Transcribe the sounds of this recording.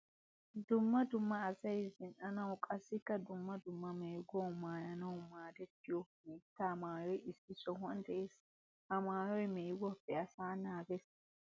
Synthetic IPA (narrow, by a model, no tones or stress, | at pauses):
d̪ʊmːɐd̪ʊmːɐːsɐjzɪnʔɐnɐwʊkʼɐsːɪkːɐd̪ʊmːɐd̪ʊmːɐmeːɡɔwʊmaːjɐnɐwʊmaːd̪ɛt̪ːɪjɔ | iːtːɐmaːjɔjɪsːɪsɔɦɔnd̪ɛʔes | ʔɐmaːjɔjmeːɡɔfɛɐsaːnaːɡɛs